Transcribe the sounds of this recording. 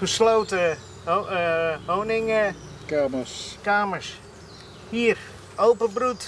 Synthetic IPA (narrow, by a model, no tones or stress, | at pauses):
χəslowtə | ʋownɪŋə | kaːməskaːməɹs | hiːər | owpəbrut